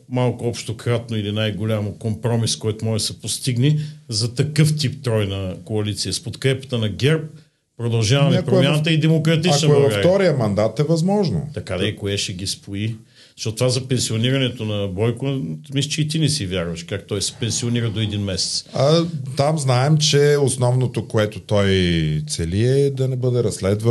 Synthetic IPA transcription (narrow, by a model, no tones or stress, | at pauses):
malˠkʊɔpʃt̪okɾat̪noilinajɡolʲamokompɾɔmiskɔjt̪omɔʒɛsɛpost̪iɡnizɐt̪ɐkɤft̪ipt̪ɾɔjnɐkoɐlit̪siɐspot̪kɾɛpə̥t̪ənɐɡʲɛɾp̚ | pːɾod̪ɐlˠʒavmɐmɛapɾoɛmjanət̪ɐid̪ɛmokɾɐt̪it͡ʃnɛbˠɡfaɾɔɾijəmɐnd̪at̪ɛvɐzmɔʒno̰t̪ɐkad̪ɐikoɛʃɛɡ̟ʲispʰoi | zʃtɔtt̪ovazɐpɛnsioniɾɐnɛt̪onɐbɔjkʊmisit͡ʃɛit̪inɛsivʲjaɾvɐʃkakt̪ɔjsɛ̥pɛnsioniɾɐd̪oɛd̪inmɛsɛ̥t̪sɐt̪amznaɛmt͡ʃɛosnɔvnot̪okoɛt̪ʊt̪ɔjt̪sɛliɛd̪ɐnɛbɤd̪ɛɾɐsːlɛd̪və